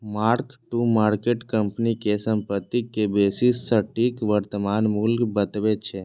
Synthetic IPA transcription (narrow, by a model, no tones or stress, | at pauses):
maɾkʈumaɾkeʈkəmpnikesəmpət̪ːikːebesisːəʈikʋəɾt̪əmanmulkbət̪ʋet͡ʃʰe